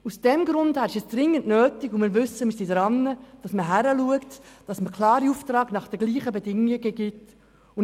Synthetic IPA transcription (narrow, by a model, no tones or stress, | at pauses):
usd̥ɛmɡɾʊndhæɾɪʃɛsd̥rɪŋːəntnøːtɪɡʊmɪːɾʋʏsːəmisidɾɑnːəd̥ɑsməɦæɾəluəktd̥ɑsməkʰlɑːɾiuftrɑːɡnɑχd̥əɡliːχəbedɪŋɪɡəɡɪt | ʊ